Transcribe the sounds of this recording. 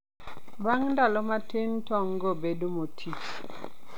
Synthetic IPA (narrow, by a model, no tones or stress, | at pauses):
baŋndalɔmatʰentɔŋɡɔbedomotʰit͡ʃ